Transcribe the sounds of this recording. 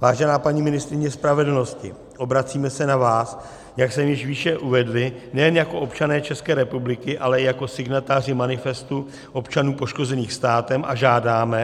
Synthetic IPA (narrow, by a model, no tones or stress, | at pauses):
vaːʒɛnaːpaɲiːmɪnɪst̪ɾɪɲɛspɾavɛdlno̞scɪ | ʔo̞bɾat͡siːmɛsɛnavaːs | jaksɛmjɪʃviːʃɛʔuvɛdlɪnɛjɛnjako̞ʔo̞pt͡ʃanɛːt͡ʃɛskɛːɾɛpublɪkɪʔalɛjako̞sɪɡnat̪aːr̝ɪmanɪfɛst̪u | ʔo̞pt͡ʃanuːpo̞ʃko̞zɛniːxst̪aːt̪ɛmʔa̰ʒaːdaːmɛ